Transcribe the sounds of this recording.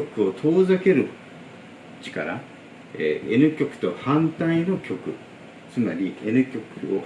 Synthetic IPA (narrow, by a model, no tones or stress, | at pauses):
okɯ̟o̞t̪ʰo̞ːzake̞ɾɯ̟ | t͡ɕi̥kaɾa | eenɯ̟kʲo̞kɯ̟̥t̪o̞hãnt̪aino̞kʲo̞kɯ̟̰ | t͡sɨmaɾʲie̞nɯ̟kʲo̞kɯo